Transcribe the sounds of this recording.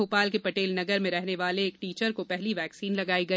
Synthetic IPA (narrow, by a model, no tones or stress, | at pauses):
oːpaːlkepɐʈeːlnɐɡəɾmẽɾɛɦneʋaːleːk̚ʈiːt͡ʃəɾkopɛɦliʋɛːksiːnlɐɡaːiɡɐ